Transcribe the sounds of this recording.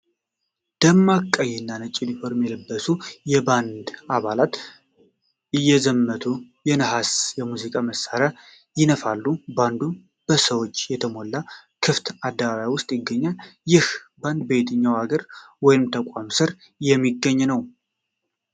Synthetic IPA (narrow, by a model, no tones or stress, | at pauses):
d̪̥əmːakʼːəjɛnːanət͡ʃʼːɪlifoɾmjɛlɨbːəsujɛband̪aβalat̪ | ɨjːɛzəmːət̪ʰu | jɛnəɦasjɛmuzikʼaməsaɾa | jɪnəfalːuband̪u | b̥əsəwo̞t͡ʃːjɛt̪ʰəmolːakʰɨft̪ʰad̪ːəβaβajawʊst̪ʼjɪɡːəɲːajɪhband̪bejt̪ʰɨɲːawaɡəɾwɔjɪmt̪ʰəkʷʼamsɨɾ | jɛmːiɡːəɲːnəw